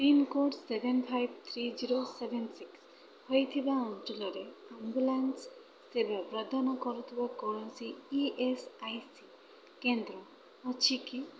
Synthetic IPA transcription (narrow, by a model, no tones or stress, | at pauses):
pɾimkoɖsebʱenpʰajbt̪ʰɾid͡ʒiɾosebʱensiks | hojt̪ʰibaɔnd͡ʒulɔɾeambulansː | ebabɾɔd̪ʱɔnɔkɔɾut̪ʰibakɔɾɔnsiːʔesajsi | kend̪ɾɔː | t͡ʃʰiki